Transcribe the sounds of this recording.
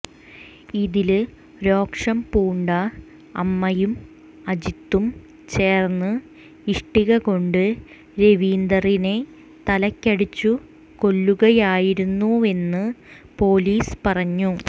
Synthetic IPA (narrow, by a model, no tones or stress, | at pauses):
iðil | ɾo̞ːkʂɐmpuːɳɖɐ | ɐmːɐjum | ɐd͡ʑit̪ːum | t͡ɕe̞ːrnːɨ | iʂʈiɣɐɣo̞ɳɖɨ | ɾe̞ʋiːnd̪ɐrine̞ | t̪ɐlɐkʲːɐɽit͡ɕːu | ko̞lːuɣɐjaːjiɾunːue̞nːɨ | po̞ːliːspɐrɐɲːu